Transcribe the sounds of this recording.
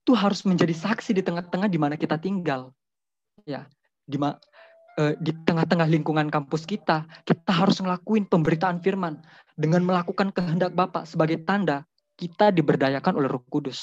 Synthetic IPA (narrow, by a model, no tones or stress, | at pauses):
it̪uɦaɾʊsməɲd͡ʒadisaksidit̪əŋaht̪əŋahdimanakit̪at̪iŋɡal | ja | dima | ədit̪əŋaht̪əŋahliŋkuŋankampʊskit̪akit̪aɦaɾʊsməlakuɪnpəmbəɾit̪aːnfirman | dəŋanməlakukankəɦəndak̚bapa̰səbaɡajt̪anda | kit̪adibərdajakanolɛhrukudʊs